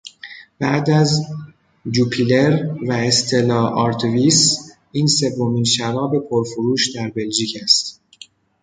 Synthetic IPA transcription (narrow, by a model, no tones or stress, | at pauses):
b̥æd̪æz | d͡ʒuːpʰileɾvæest̪ʰe̞lɒːʔɒːɾt̪ʰviːs | iːnse̞vːo̞miːnʃævɒːbe̞pʰo̞ɾfoɾuːʃd̪æɾbe̞ld͡ʒiːcʰæst̪